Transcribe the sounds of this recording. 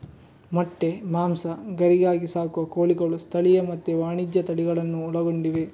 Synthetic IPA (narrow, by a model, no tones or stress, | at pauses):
mɐʈːe̞maːmsɐɡɐɾiɡaːɡisaːkuʋɐkoːɭiɡɐɭust̪ʰɐɭijɐmɐt̪ːeʋaːɳid͡ʒjɐt̪ɐɭiɡɐɭɐnːuːɭɐɡoɳɖiʋe